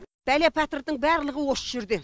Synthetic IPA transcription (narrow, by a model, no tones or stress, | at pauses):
b̥ælæpʲʰæt̪əɾd̪əɴbæɾlˠəʁəwosə̥ʒɪɾd̪e